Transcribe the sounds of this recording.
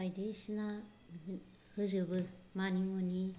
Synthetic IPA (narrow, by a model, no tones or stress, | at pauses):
ajdesina | hɯzɯbɯmanimɯni